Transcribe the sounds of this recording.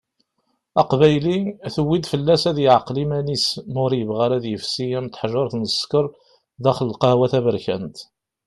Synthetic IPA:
ɑqbæjlinθəwːid̪fəlːæsæðjəʕqːlimænismʊɾjəvʁaɾæðjəfsijæmt̪ħʒɑɾˤθnəskəɾˤ | ðæχəlqɑhwæθævəɾçæ̰nt̪

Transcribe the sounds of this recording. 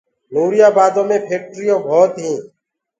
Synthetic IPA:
nuːɾɪjaːbaːd̪õːmẽːpʰeːk̚ʈɾiːõːbʱoːt̪ɦĩː

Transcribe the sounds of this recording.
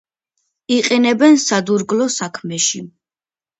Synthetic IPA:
iqʼinɛbɛnsad̪uɾɡlɔsakʰmɛʃi

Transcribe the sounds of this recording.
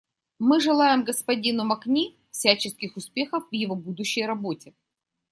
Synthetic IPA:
mɨʐɨlˠajɪmɡəspɐdʲinʊmɐknʲi | fsʲæt͡ɕɪskʲɪxʊspʲe̞xəfvjɪvobud̪ʊɕːɪjɾɐbo̞tʲɪ

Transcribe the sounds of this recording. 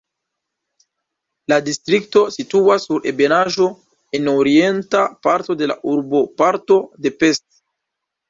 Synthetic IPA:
ladistɾikto̞situasːuɾʔe̞be̞naʒo̞ | e̞noɾie̞ntapaɾto̞de̞la̰ʔuɾbo̞paɾto̞de̞pe̞st

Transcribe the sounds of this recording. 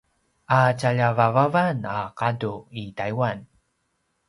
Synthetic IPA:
ʔat͡ɕaʎavavavanaqaduitajwan

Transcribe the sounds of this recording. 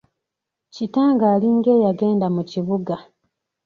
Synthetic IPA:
citaːŋɡaːliŋɡe̞ːjaɡe̞ːndamuciβuɡa

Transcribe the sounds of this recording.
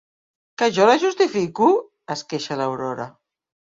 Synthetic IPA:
kəʒɔlaʒust̪ifiku | əskeʃalawɾɔɾa̰

